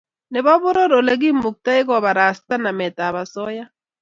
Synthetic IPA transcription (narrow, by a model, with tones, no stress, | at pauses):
ne˨βa˦βʊ˦ɾo˦ɾo˨le˨ɡ̬i˦mu˨k̚ta˦i˦kɔ˨βa˨ɾa˨sta˦na˨mɛ˨ta˨βa˨sɔ˦ja˦